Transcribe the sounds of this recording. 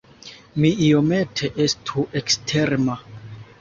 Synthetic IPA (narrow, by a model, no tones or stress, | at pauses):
miio̞me̞tʰe̞ʔe̞stʰuʔekstʰe̞ɾma